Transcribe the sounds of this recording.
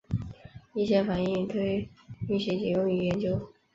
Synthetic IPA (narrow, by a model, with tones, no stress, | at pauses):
i˥˩ɕjɛ˥fa˨˩n˥i˥˩ŋt̪ʰe˥˩˧y˥˩ɕɛ˧˥t͡ɕɛ˨˩jʊ˥˧ŋy˧˥jɛ˧˥nt͡ɕjo˥ʊ